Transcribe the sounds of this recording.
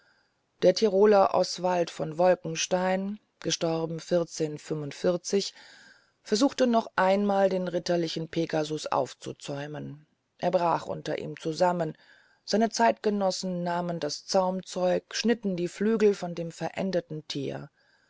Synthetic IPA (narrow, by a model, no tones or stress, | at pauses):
d̥eːɐtʰiʁoːlɐʔɔ̰sv̥altfɔnvɔlkŋ̩ʃtaɪn | ɡ̥əʃtɔʁbm̩fɪʁt͡seːnfʏmʊntfɪɐt͡sɪç | fɛɐzuːxtənɔχʔaɪnmaːldeːnʁɪtɐlɪçn̩pʰeːɡazʊsʔa̰ʊft͡sṵt͡sɔʏmən | ʔeːɐbʁaːχʔʊ̰ntɐ̰ʔḭːmt͡suzamən | z̥aɪnət͡saɪtɡ̥ənɔsn̩ːaːməndast͡saʊmt͡sɔʏkʃnɪtn̩diːflyːɡl̩fɔndeːmfɛɐʔɛ̰ndətn̩tʰḭːɐ